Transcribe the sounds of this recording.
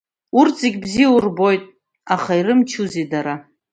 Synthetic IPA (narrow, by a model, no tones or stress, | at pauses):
urt͡sʼeɡʲbzijaurbo̞jtʼ | aχaiɾɨmt͡ʃʰuzidaɾa